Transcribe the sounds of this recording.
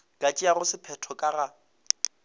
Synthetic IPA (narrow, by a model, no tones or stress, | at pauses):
kʼat͡ʃʼiarʊsɪpʰɛtʰɔkʼara